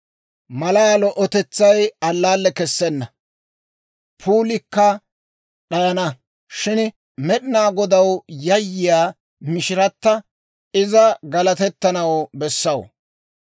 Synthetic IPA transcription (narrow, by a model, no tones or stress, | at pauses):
mɐlaalɔʔɔt̪ɛt͡sːɐjɐlːaːlːɛkɛsːɛnːɐ | pʰuːlɪkːɐ | ɗaːnɐ | ʃɪn | mɛɗɪnaːɡɔd̪ɐwjɐjːɪjaː | mɪʃɪɾɐt̪ːɐ | ɪzɐɡɐlɐt̪ɛt̪ːɐnɐwbɛsːɐw̰